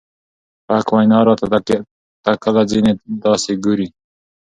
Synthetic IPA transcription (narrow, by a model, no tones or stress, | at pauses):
pakwajnɑːɾɑt̪a | t̪akalad͡zined̪ɑːseɡuɾi